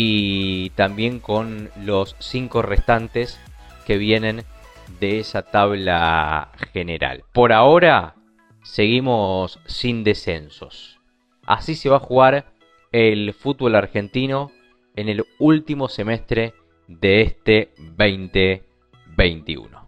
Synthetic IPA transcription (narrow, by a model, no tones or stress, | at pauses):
it̪ambje̞ŋko̞nlo̞sːiŋko̞rest̪ant̪e̞ske̞βje̞nẽ̞nd̪e̞esat̪aβla̰xe̞ne̞ɾa̰lpo̞ɾao̞ɾa | se̞ɣimo̞sːind̪e̞se̞nso̞̰s | a̰sise̞βaxuɣaɾ | elfut̪̚βo̞laɾxe̞nt̪ino̞ | enelult̪imo̞se̞me̞st̪ɾe̞ | ðeest̪eβejnt̪e | βejnt̪ḭṵno̰